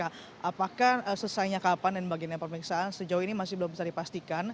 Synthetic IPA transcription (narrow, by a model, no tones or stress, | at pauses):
a | ʔapakahəsəsajɲakapandanbaɡianɲapəməɾiksaːnsəd͡ʒauinimasɪhbəlʊmbisardipast̪ikan